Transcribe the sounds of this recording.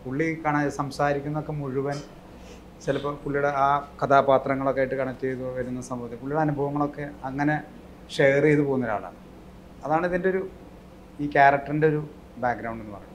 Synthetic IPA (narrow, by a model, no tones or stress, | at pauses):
kuɭːikɐɳɐsɐmsaːɾikʲːunːɐo̞kːe̞muɻuʋɐn | t͡ɕilɐpːɐkuɭːijuɽeaːkɐt̪ʰaːpaːt̪rɐŋːɐɭo̞kːeaːjʈːɨkɐɳɐt̪ːejðuʋɐɾunːɐsɐmbʱɐʋɐt̪ːekuɭːijuɽeɐnubʱɐʋɐŋːɐɭo̞kːe̞ɐŋːɐne̞ | ʂeːrejðɨpo̞ːɣunːɐɾa̰ːɭa̰ːɳɨ | ɐðaːɳiðindeoɾu | iːkʲaːrɐk̚ʈːɐrinde̞o̞ɾu | baːk̚ɡɾɐwɳɖenːɨpɐ̰rɐjːu